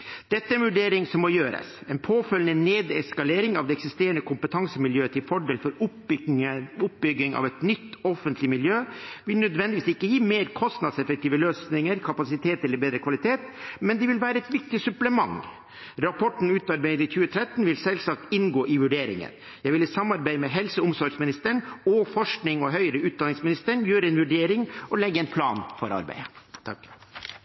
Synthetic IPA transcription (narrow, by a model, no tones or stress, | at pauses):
d̪̥ɛt̪ːəɛɾɛnʋʉɖeːɾɪŋsɔmːɔjøːɾə̰sɛːnpʰoːfœlnəneːd̪ɛskɑleːɾɪŋɑʋd̪ɛːɛksɪst̪eːɾənəkʰʊmpət̪ʰɑŋsəmɪljøːət̪ʰɪlfɔɖeːlfɔɾʊ | ʊp̚bʏɡɪŋɑ̰ʋɛt̪nʏt̪ːɔfənt̪ʰlɪmɪljøːʋɪlnœd̪ʋɛnd̪ɪʋiːsɪkːəjiːmeːɾkʰɔst̪nɑd̪sɛfək̚t̪iːʋəløːsnɪŋəɾkʰɑpɑsɪt̪ʰeːt̪ɛlːəɾbeːd̪ɾəkʰʋɑlɪt̪ʰeːt̪mɛnd̪ɛʋɪlʋæːɾəɛt̪ʋɪk̚t̪ɪsʉpləmɑ̰ŋ | ɾɑpʰɔʈːɳ̩ʉːt̪ɑɾbæɪd̪əɾɪçʉːət̪ʰɾɛt̪ːnʋɪlsɛlsɑk̚t̪ɪnɡoːʔɪʋʉɖeːɾɪ̰ŋə̰n | jæɪʋɪlɪsɑmːɑɾbæɪmɛɦɛlsəʊmsɔɾɡsmɪnɪst̪əɳɔfɔʂknɪŋɔɦœʏəɾəʉːt̪̚d̪ɑnɪŋsmɪnɪst̪əɳjøːɾəɛnʋʉɖeːɾɪŋʔɔlɛɡːəɛɪnpʰlɑ̰ːnfɔ̰ɾɑ̰ɾbæ̰ɪət̪ʰɑ̰k